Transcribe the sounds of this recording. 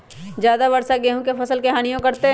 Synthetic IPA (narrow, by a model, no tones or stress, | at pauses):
d͡ʒjaːd̪abɐɾsaɡeːɦũkepʰɐsəlkeɦaːnijõkɐɾt̪eɦ